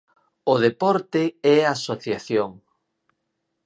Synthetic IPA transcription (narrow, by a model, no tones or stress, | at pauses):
ʊðepɔɾt̪eɛaːsoθjaθjoŋ